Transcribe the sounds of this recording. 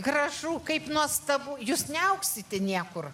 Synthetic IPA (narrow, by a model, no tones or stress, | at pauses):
ɡɾɐʒuːkɐɪpnuɔst̪ɐʋuːjuːsnʲɛɐʊksʲɪt̪ʲɛnʲiɛkʊr